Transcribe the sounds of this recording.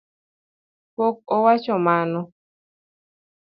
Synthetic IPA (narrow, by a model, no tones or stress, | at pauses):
pok̚ɔwat͡ʃɔmanɔ